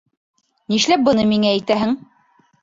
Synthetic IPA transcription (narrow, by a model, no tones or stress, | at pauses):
niʃlæp̚bɤ̆nɤmiŋææjt̪æɦɘŋ